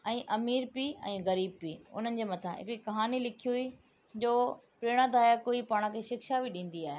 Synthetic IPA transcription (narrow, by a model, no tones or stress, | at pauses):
ɛ̃ːʔɐmiːɾpiːɛ̰̃ːɣɐɾiːb̚piːʊ̰n̤ənɪ̆d͡ʑeːmɐt̪ʰaɦɪ̰kɽikɐɦaːnilɪkʰijui | d͡ʑoːpɾeːɽ̃ãd̪aːjakoipaːɽ̃ə̃kʰeːʃɪkʃabʱɪɗĩːn̆d̪iaːɦe